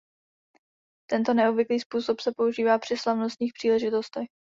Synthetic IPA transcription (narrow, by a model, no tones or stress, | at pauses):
t̪ɛnt̪o̞nɛobvɪkliːspuːso̞psɛpo̞uʒiːvaːpr̥ɪslavnost̪ɲiːxpr̥iːlɛʒɪt̪o̞st̪ɛx